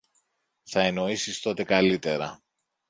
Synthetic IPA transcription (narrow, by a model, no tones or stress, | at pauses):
θɐe̞no̞isist̪o̞t̪e̞kɐlit̪e̞ɾɐ